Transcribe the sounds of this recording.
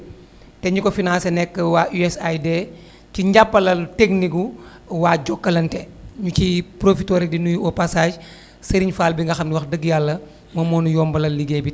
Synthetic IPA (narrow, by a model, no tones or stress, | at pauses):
tɛɲukɔfinãːsenɛkːəwaʔuɛsajde | ciɲɟapːɐlɐltekniku | waːɟɔkːɐlɐntɛɲucipɾofitoɾidinujuɔpasaːʃ | sɐɾiɲfaːlbiŋɡɐxɐmnwɐxdəɡjalːɐ | mɐmɔːnujɔːmbɐlɐlliɡebi